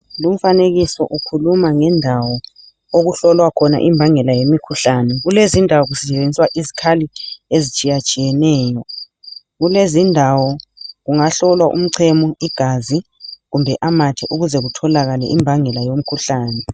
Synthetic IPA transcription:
lum̩faneɣisɔ̰ʔukʰulumaŋɛndʱawɔ | oɣuɬɔlwakʰɔna̰ʔimbʱaŋɛlajemikʰuɬanɛɣulezindʱawɔɣusɛɛeniswaʔizikʰaliezit͡ʃʼijat͡ʃʼijɛnɛːjɔ | ɣulezindʱawɔɣuŋaɬɔlwaʔṵm̩ǀʰɛmɔiɡ̥ʱazi | ɣumbʱɛʔamatʰɛʔuɣuzɛɣutʰɔlaɣalɛ̰ʔimbʱaŋɛlajom̩kʰuɬaːnɛ

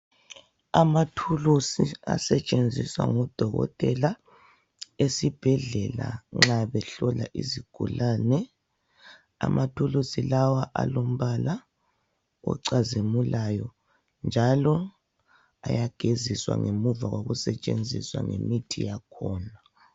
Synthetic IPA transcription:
amatʰulusiasɛt͡ʃʼend͡zʱiswaŋɔd̥ʱɔɣɔ̰tʼɛla | esib̥ʱɛɮɛlaŋ͡ǁaβɛɬɔlaʔiziɡ̥ʱulaːnɛ | a̰mʔatʰulusilawaʔalom̩βala | wɛ̰ǀazimulajɔ | nd͡ʒʱalɔ | a̰jaɡ̥ʱeziswa̰ŋemuvaɣoɣusɛt͡ʃʼend͡zʱiswaŋḛmitʰijakʰɔːna

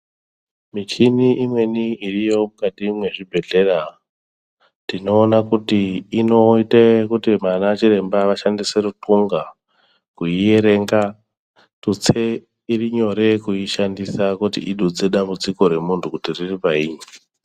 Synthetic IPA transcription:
mit͡ʃiniʔimwe̞niirijo̞mukatimwe̞ʐibʱe̞ɮe̞ra | tino̞ːnakutiːno̞itekutimanat͡ʃiɾe̞mbaʋaʃandiserutʰuŋɡa | kuie̞ɾe̞ŋɡa | tut͡se | iriɲo̞ɾe̞kuiʃandisakutḭʔiɗud͡ze̞ɗambud͡ziko̞ɾe̞muntʰukutiriripaiːɲi

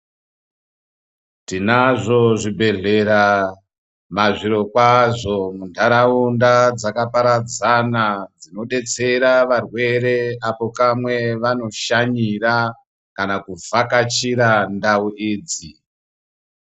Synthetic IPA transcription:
tinaʐo̞ʐibʱe̞ɮe̞ɾa | maʐiɾo̞kwaʐomundʱaɾaundad͡zakapaɾad͡zanad͡zino̞ɗe̞t͡se̞ɾaʋarwe̞ɾe̞apo̞kamwe̞ʋano̞ʃaɲira | kanakuvakat͡ʃiɾandauʔiːd͡zi

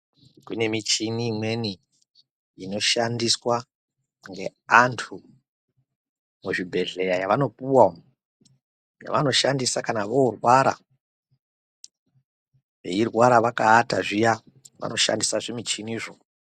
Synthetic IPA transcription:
kune̞mit͡ʃiniːmwe̞ni | ino̞ʃandiswa | ŋɡe̞̰antʰu | muʐibʱe̞ɮe̞jajaʋano̞puwa | ja̰ʋano̞ʃandisakanaʋourwaɾa̰ | ʋe̞̰irwaɾaʋakaːtaʐija | ʋa̰no̞ʃa̰ndisaʐemit͡ʃiniːʐo

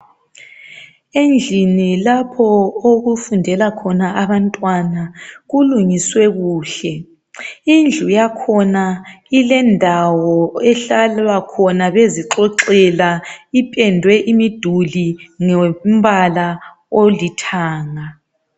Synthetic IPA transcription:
end͡ɮʱinilapʰɔoɣufundʱɛlakʰɔnaʔaβantʼwanaɣuluŋiswɛɣuːɬɛ | ind͡ɮʱujakʰɔnailɛndʱawɔɛɬalakʰɔnaβeziǁɔǁɛlaipʼɛndʱwɛʔimid̥ʱuliŋɛm̩βala | olitʰaːŋa

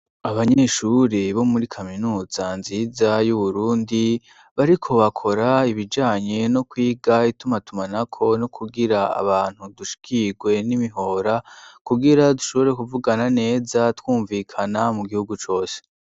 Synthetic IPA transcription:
aβaɲe̞ʃuɾiβo̞muɾikʰaminuːz̥anziːzajuβuɾuːndi | βaɾikʰo̞βakʰo̞ɾaiβid͡ʒaːɲe̞no̞kwiːɡaitumatumanakʰo̞nokʰuɡiɾaa̰βaːn̥huduʃi̥kʰiɡwe̞nimiɦo̞ːɾakuɡiɾaduʃo̞βo̞ɾe̞kuvuɡanane̞ːzatwuːɱviːkʰanamuɡihuɡut͡ʃo̞ːse̥

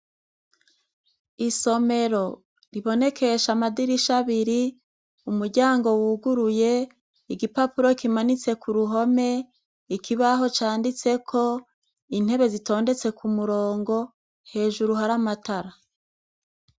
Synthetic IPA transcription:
iso̞me̞ɾo̞ | ɾiβo̞ne̞kʰe̞ʃamadiɾiʃaβiɾi | umuɾɟaːŋɡo̞wuɡuɾuje̞ | iɡipapuɾo̞kimanit͡se̞kuɾuɦo̞me̞ | ikʰiβaɦo̞t͡ʃaːndit͡se̞kʰo̞ | in̥he̞βe̞zito̞ːnde̞t͡se̞kumuɾoːŋɡo̞ | he̞ːʒuɾuɦaɾamataɾa

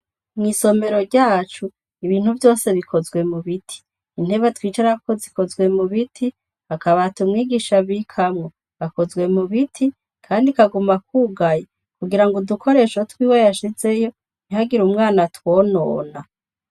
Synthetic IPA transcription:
mŋiso̞me̞ɾo̞ɾɟaːt͡ʃu | iβiːn̥huvjo̞ːse̞βikʰo̞zɡwe̞muβitʰi̥ː | n̥he̞βatwiːt͡ʃaɾako̞ziko̞zɡwe̞muβitʰi | hakaβatumŋiːɡiʃaβikʰamŋo | βako̞zɡwe̞muβitʰi | kʰaːndikaɡumak̚uːɡaje | kuɡiɾaŋɡodukʰo̞ɾe̞ʃotwiːwejaʃize̞jo̞ | nihaɡiɾumŋaːnatwo̞ːno̞ːna

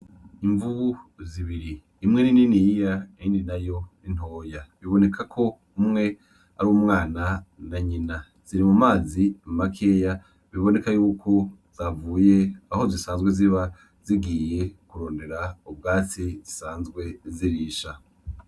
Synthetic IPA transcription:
iɱvuβuziβiɾiː | mŋe̞nininijijaiːndinajo̞nin̥o̞ːjaβiβo̞ne̞kʰakʰo̞ | umŋe̞ | a̰ɾuwumŋaːnanaɲina | z̥iɾimumaːzimmakʰe̞ja | βiβo̞ne̞kajuːkʰoz̥avuːje̞aho̞zisaːnzɡwe̞ziβa | ziɡiːje̞kuɾo̞ːnde̞ɾaub̚ɡaːt͡sizisaːnzɡwe̞ziɾiːʃa

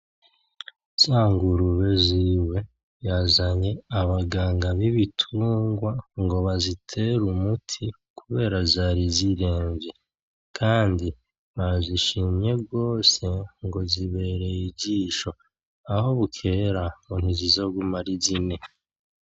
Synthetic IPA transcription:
z̥aːŋɡuɾuβe̞ziːwe̞ | jazaɲe̞aβaɡaːŋɡaβiβitʰuːŋɡwaŋɡo̞βazitʰe̞ɾumutʰi | kuβe̞ːɾazaːɾiziɾe̞ːmbje | kʰaːndi | βaziʃiːmɲe̞bɡo̞ːse̞ŋɡo̞ziβe̞ɾe̞jiɟiːʃo̞ | aho̞βukʰe̞ɾamun̥huzizo̞ɡumaɾizine̞

